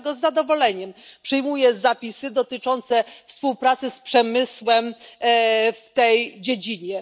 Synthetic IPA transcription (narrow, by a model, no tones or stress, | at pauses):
ɡɔzːad̪ɔvɔlɛɲɛmpʂɨjmujɛzapʲisɘd̪ɔt̪ɘt͡ʂɔnt̪sɛfspuwpɾat̪sɘspʂɛmɘswɛm | ft̪ɛjd͡ʑed͡ʑiɲɛ